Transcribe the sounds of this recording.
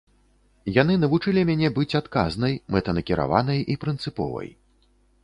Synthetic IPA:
jan̪ɨnɐvut͡ʂɨlʲimʲanʲɛbɨt͡sʲat̪kaznɐjmɛt̪ɐnɐkʲiɾʔa̰vanɐjʔipɾɨnt̪sɨpɔ̰vɐ̰j

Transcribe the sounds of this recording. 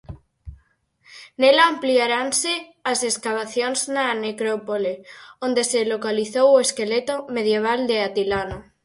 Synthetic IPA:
nelaampliaɾanseaseskaβ̞aθjonznanekɾopoleõnd̪eselokaliθowoeskelet̪omeð̞jeβ̞ald̪eat̪ilano

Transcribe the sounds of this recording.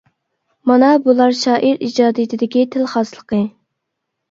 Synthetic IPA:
mɑnɑbulˠɑɾʃɑːʔiɾid͡ʒɑːd̪ɨjt̪ʰɪd̪ɪkʲit̪ʰɪlχɑslˠəqʰə

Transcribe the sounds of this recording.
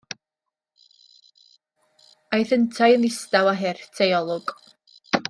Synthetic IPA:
ajθəntʰajənɪstawaɦɛrtʰɛjɔlˠɔɡ̥

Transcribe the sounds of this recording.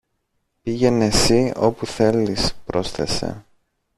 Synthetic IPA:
piʝe̞nesio̞puθe̞lːispɾo̞sθe̞se̞̰

